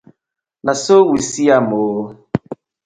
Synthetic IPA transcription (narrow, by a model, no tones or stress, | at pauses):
nasowisiamoɦo